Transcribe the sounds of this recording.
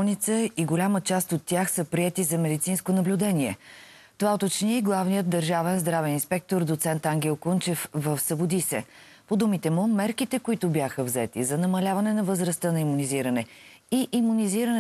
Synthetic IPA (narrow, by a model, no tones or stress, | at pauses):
nit̪səiɡolʲamət͡ʃast̪ot̪ːjaxsəpɾiɛt̪izɐmɛd̪it̪sinskonɐblʲʊd̪ɛniɛ | t̪ovaot̪ot͡ʃniiɡlˠavnijəd̪̚d̪əɾʒavɛnzd̪ɾavɛninspɛk̚t̪oɾd̪ot̪sɛnt̪aŋɡ̟ʲɛlˠkunt͡ʃɛfvəfsəbod̪isɛ̰ | pod̪umit̪ɛmumɛɾkit̪ɛkʊit̪ʊbjaxəvzɛt̪ḭzɐnɐmɐlʲavɐnɛnɐvəzɾəst̪ənɐimuniziɾənɛ | iʔimuniziɾən